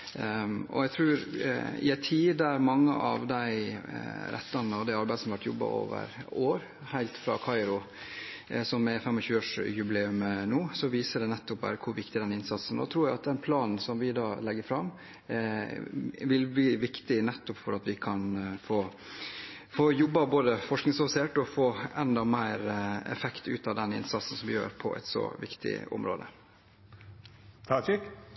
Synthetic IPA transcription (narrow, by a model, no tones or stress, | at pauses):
ʔɔ̰æɡt̪ʰɾʉːɾɪ̰æɪt̪ʰiːd̪æɾmɑŋːə̰ʔɑ̰ʋd̪æɪ | ɾʔɛ̰t̪ːɑnəɔd̪ɛɑɾbæɪsɔm̩ʋæʈjɔ̰bːɑ̰ʔo̰ːʋə̰ɾoːɾ | hæɪlt̪fɾɑ̰ːkʰɑɪɾʊ | sɔmɛfɛmːɔɕʉːəoːʂjʉbɪleːʉmnuːsɔʋiːsəɖɛnɛt̪ːɔp̚bɑ̰ːɾəkʰʊɾʋɪk̚t̪ɪd̪ɛnɪnsɑt̪sn̩ɔ̰t̪ʰɾuːɾjæɪɑt̪̚d̪ɛnpʰlɑːnn̩sɔmʋɪd̪ɑːlɛɡːəɾfɾɑm | ʋɪlbliːʋɪkt̪ɪnɛt̪ːʊpfɔɾɑt̪ʋɪkʰɑnfoː | foːjʊbːɑboːd̪əfɔʂknɪŋsɑfɪseːʈɔfoːɛnd̪ɑmæɪɾɛ̰fɛkt̪ʉ̰ːt̪ɑʋd̪ɛnɪ̰nsɑt̪sn̩sɔmʋɪjø̰ːɾpʰɔ̰ʔɛ̰t̪sɔ̰ʋɪ̰kt̪ʰɪ̰ʊ̰mɾo̰ːd̪ə̰ | t̪ʰɑɪk